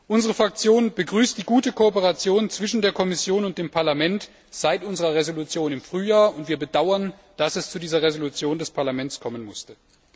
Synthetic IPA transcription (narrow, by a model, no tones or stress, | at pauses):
ʔʊnzəʁ̞əfʁ̥ak̚t͡sjoːnb̥əɡʁyːstd̥iːɡuːtəkʰoːpəʁat͡sjoːnt͡sv̥ɪʃn̩deːɐkʰɔmɪsjoːnʊnt̚d̥eːmpʰaɐlamɛnt | z̥aɪtʔʊnzəʁɐʁezolut͡sjoːnɪmfʁ̥yːjaːɐʊntv̥iːɐbədaʊɐn | d̥asɛst͡sudiːzɐʁezolut͡sjoːndɛspʰaɐlamɛnt͡skʰɔmənmʊstə